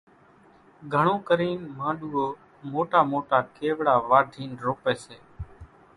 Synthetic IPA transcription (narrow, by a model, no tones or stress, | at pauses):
ɡʱəɳõːkəɾiːnmãːɗuːoː | moːʈaːmoːʈaːkeːʋɽaːʋaːɖʱiːnɾoːpeːseː